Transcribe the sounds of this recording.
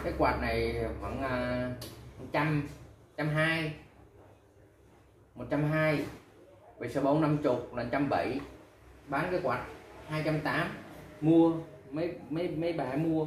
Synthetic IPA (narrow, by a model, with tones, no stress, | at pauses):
kaː˨˦jkwaː˨˩t̚na˨˩jvə̰˧˥ŋʔəː˨˩mo˨˩t̚t͡ɕa˧m˩ | t͡ɕa˧mɦaː˧j | mo˨˩t̚t͡ɕa˧mɦaː˧j | və̰˧˩səː˧˦ɓo˨˦nːa˧mt͡ɕʊ˨˩k͡p̚lə˨˩nt͡ɕa˧mɓə̰˧˩j | ɓaː˨˦nkaː˨˦jkwaː˨˩t̚haː˧jt͡ɕa˧mt̪aː˨˦˥mmu˧əmə˨˦jmə˨˦jmə˨˦jɓaː˨˩mu˧ə